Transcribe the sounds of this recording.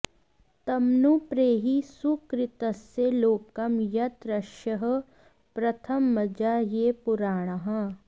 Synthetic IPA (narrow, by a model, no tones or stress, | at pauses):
t̪ɐmnupɾeːɦisukɾɪt̪ɐseloːkɐmjɐt̪ɾɐʃjɐɦ̆ | pɾɐt̪ʰɐmːɐd͡ʒaːjeːpʊɾaːɽ̃ɐɦɐ̃